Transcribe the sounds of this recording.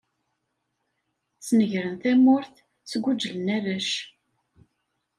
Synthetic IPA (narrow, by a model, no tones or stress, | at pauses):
t͡sːnəʝɾənθæmʊɾθ | t͡sɡʷud͡ʒːələnæðæʃ